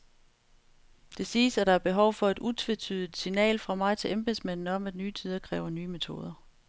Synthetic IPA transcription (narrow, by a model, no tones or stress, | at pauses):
d̥e̝siːsæd̥ɑ̈æɐb̥e̝ɦɒʊ̰fɒ̽e̝d̥ut͡sʰʋe̝t͡sʰyð̞ˠid̥sinɛ̰ːlfʁɑ̈mɑ̈ɪt͡sʰe̝ʔemb̥e̝ðˠsmæn̰n̩ɒ̽mæd̥nyːt͡sʰyðˠɐkʰʁɛ̰ːʊɐnyːme̝t͡sʰo̝̰ːð̞ˠɐ